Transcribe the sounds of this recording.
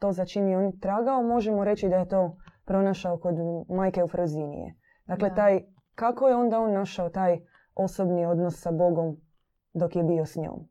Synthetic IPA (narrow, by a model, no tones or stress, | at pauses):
t̪o̞ːzat͡ʃimjeoːnt̪ɾaːɡaomo̞ʒemoɾe̞t͡ɕid̪ajet̪o̞ːpɾo̞naʃaoko̞d̪maːjke̞ufɾozinḭjḛ | d̪aːkle̞t̪aːj | kakojeo̞nd̪ao̞nːaʃaot̪aːj | o̞sobnio̞d̪nosːabo̞ɡo̞m | d̪o̞kjebio̞sɲo̰ːm